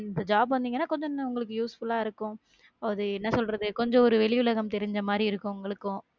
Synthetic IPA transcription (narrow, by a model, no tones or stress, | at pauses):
ɪnd̪ɐd͡ʒaːbʋɐnd̪iːŋɐnːaːkɔɲd͡ʒɔ̃nːʊŋɡɐɭɯkːɯjuːsfʊlaːɪɾɯkːʊ̃ | ɐɐðɯɪnːɐsɔlɾɐðɯkɔɲd͡ʒɔ̃ɔɾɯʋɛɭɪʊlɐɣɐmt̪ɛɾɪɲd͡ʒɐmaːd̪ɾiɪɾɯkːʊ̃ʊŋɡɐɭɯkːʊ̃